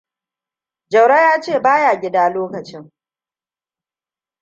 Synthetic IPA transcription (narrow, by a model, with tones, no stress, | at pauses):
d͡ʒɐ˨wɽa˦jaː˦t͡ʃeː˦˨baː˦jaː˨ɡʲɪ˦daː˦loː˦kɐ˨t͡ʃɪ˦ŋ